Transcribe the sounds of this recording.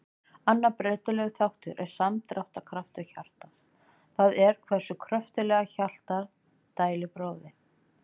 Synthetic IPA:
anːaɾpɾeːjt̪ʏlœɣθawht̪ʏɾʔɛɾ̥samt̪ɾawht̪akʰɾaft̪ʏçal̥t̪as | θaðɛɾ̥kʰvɛr̥sʏkʰɾœft̪ʏlɛːɣaçal̥t̪aɾ | t̪aːjlɪpɾoːwðɪ

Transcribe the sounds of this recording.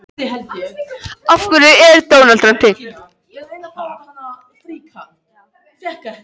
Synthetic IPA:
afkʏɾʏɛɾt̪oːwnalt̪ɾan̥t̪ʰɪ

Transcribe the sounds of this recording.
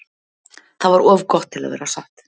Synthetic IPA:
θavaɾɔːvkɔht̪ʰːɪla̰ðvɛ̰ːɾasaht̪

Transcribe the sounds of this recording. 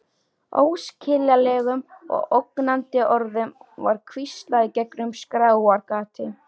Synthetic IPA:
o̰ːwscʰɪljalɛːɣʏmɔ̰ɣoknant̪ɪʔɔɾðʏmva̰ɾ̥kʰvist̪laðɪcɛknʏmskɾaːwaɾkaːt̪ɪ

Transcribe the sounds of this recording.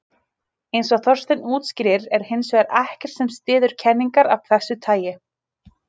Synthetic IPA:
ejnsɔɣθɔr̥st̪ɪnuːt̪scɾɪːɾɛɾ̥hɪnsvɛɾɛhcɛɾ̥t̪sɛmst̪ɪːðʏɾ̥cʰɛnːiŋkaɾavk̚ʰθɛsːʏt̪ʰaːjɪ

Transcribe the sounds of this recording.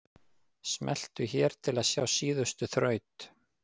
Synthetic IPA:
smʔɛl̥t̪ʏçɛːɾ̥t̪ʰɪlaðsjaːwsiːðʏst̪ʏθɾœːɥt̪

